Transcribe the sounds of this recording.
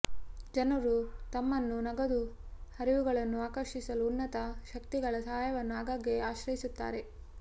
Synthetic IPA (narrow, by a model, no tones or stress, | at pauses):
d͡ʒɐnɐɾut̪ɐmːɐnːunɐɡɐd̪uhɐɾiʋuɡɐɭɐnːuaːkɐɾʂisɐluːnːɐt̪ɐʃɐkt̪iɡɐɭɐsɐɦaːjɐʋɐnːuaːɡaːɡe̞aːʃɾɐjisut̪ːa̰ːɾe̞